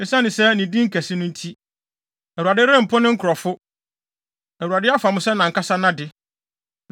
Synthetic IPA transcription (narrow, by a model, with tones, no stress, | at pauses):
nɪ̃˨sã˦nɪ̃˨sɛ˦nĩ˨dĩ˦ŋ̩˦kʰæ˨sɪ˦nʊ̃˦n̩˦tʰi˦ | ɛ˨u˨a˨dɪ˦ɾɛ̃˦m̩˨pʰʊ˦nʊ̃˦ŋ̩˦kʰɾɔ˨fʊ˦ | ɛ˨wu˨a˨dɪ˦a˦fa˨mʊ̃˦sɛ˦nã˨ŋ̩˨kʰa˦sa˦nã˦dɪ˦